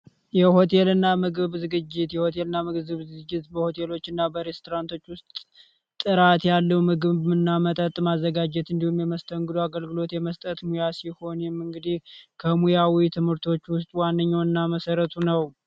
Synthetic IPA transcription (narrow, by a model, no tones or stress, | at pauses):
jɛho̞t̪ʰe̞lɨnːamɨɡɨβzɨɡɨd͡ʒːɪt̪jɛhot̪ʰe̞lɨnːamɨɡɨzɨβzɨɡɨd͡ʒːɪt̪bəho̞t̪ʰe̞lo̞t͡ʃːɨnːabəɾe̞st̪ʰoɾant̪ʰo̞t͡ʃːwʊst̪ːʼ | ɨɾat̪jalːəwmɨɡɨβmɨnːamət̪ʼət̪ʼmazːəɡad͡ʒɛt̪ɨnd̪ihumjɛməst̪ʰəŋɡɨd̪oaɡəlɡɨlo̞t̪jɛməst̪ʼət̪mujasiho̞njɛmːɨŋɡɨd̪ihkʰəmujawit̪ʰɨmhɨɾt̪ʰo̞t͡ʃːwʊst̪ʼwanːəɲːawɨnːaməsəɾət̪ʰunəw